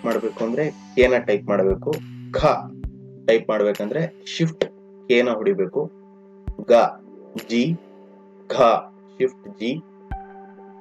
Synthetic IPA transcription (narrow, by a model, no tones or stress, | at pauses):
maːɽbeːkuɐnd̪ɐɾekeːnɐʈɐjp̚maːɽɐbeːkukʰaːʈɐjp̚maːɽɐbeːkɐnd̪ɐɾeʃifʰʈ | keːnɐɦuɽibeːku | ɡaː | d͡ʒi | ɡʰʱaː | ʃifʰʈd͡ʒi